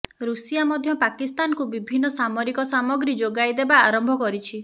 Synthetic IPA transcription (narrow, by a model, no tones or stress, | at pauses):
ɾusijamɔd̪ʱjɔpakist̪ankubibʱinːɔsamɔɾikɔsamɔɡɾid͡ʒoɡajd̪ebaːɾɔmbʱɔkɔɾit͡ʃʰi